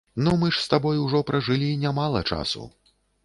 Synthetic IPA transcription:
nɔmɨʂst̪abɔjuʐɔpɾɐʐɨlʲinʲamalˠɐ̰t͡ʂa̰sṵ

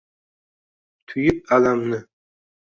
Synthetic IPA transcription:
t̪ʰʊjɪp̚alamnɪ

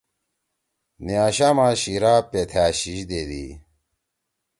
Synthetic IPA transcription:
niaːɕaːmãɕiɾaːpet̪ʰaːɕiɕd̪eːd̪ḭ

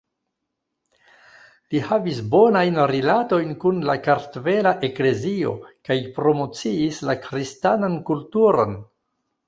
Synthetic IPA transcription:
lihavisbo̞najnɾilato̞jnkunlakaɾtve̞laʔe̞kle̞zio̞̰kajpɾo̞mo̞t͡siːslakɾistanankultuɾo̞̰n

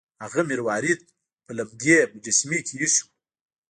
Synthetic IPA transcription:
haɣamiɾwɑːɾid̪̚ | pəlabd̪jepəd͡ʒɪsmikʰejiʃu̥

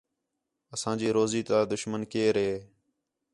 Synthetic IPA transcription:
əsãːd͡ʒiːɾoːziːt̪aːd̪ʊʃmənkeːɾɦeː

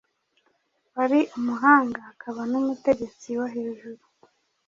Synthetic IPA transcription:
βaɾiʔumuɦaːŋɡaːkʰaβanumute̞ɟe̞t͡siwaɦeɾiʒuɾu

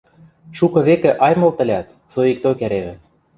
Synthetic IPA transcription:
ʃukɤ̆βekĕʔɑjmɤ̆lt̪ə̆lʲæt̪ | soik̚t̪okæɾeβɘ̆

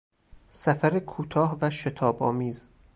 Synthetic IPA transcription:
sæfæɾekʰuːt̪ʰɒːhvæʃe̞t̪ʰɒːbɒːmiːz

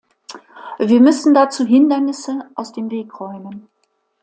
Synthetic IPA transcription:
viːɐmʏsn̩dat͡suːɦɪndɐnɪsəʔaʊsd̥eːmveːkʁ̥ɔʏmən

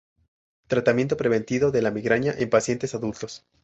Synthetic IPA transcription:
t̪ɾat̪amje̞nt̪̬o̞pɾe̞βe̞nt̪iðo̞ðe̞lamiɣɾaɲaʔempasje̞nt̪e̞saðult̪o̞s

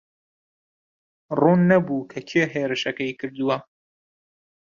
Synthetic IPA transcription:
ruːnːɐbuːkʰɐt͡ʃʰeːɦeːɾɨʃɐkɐjkʰɨɾd̪uwɐ

